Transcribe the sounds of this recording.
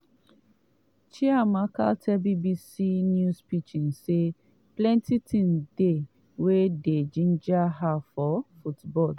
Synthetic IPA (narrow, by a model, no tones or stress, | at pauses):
t͡ʃiamaka̰ltʰɛbibisinjuspit͡ʃĩnse | plɛ̃ntitʰĩmde | weded͡ʒĩnd͡ʒaɦafɔfutbɔl